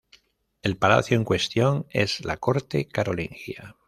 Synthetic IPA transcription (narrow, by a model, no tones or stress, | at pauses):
e̞lpala̰θjoeŋkwe̞st̪jo̞ŋe̞̰zlako̞ɾt̪e̞kaɾoliŋxja